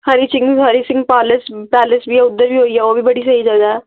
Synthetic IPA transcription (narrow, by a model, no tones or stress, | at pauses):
hɐɾisɪ̃ŋɡɦɐɾisɪ̃ŋɡpaːlɪspɛːlɪsbʱiɛʊd̪ːəɾbʱiɦoːiɛʋobʱibɐɽisɐɦid͡ʒɐɡaɦɛ